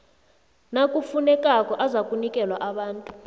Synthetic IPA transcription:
nakʼufunɛkʼakʼɔʔazakʼunikʼɛlwaʔaɓaːntʼu̥

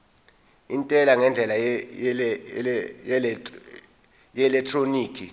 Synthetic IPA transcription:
intʼɛlaŋɛnd͡ɮʱɛla | jɛlɛk̚tʰroniːkʰi

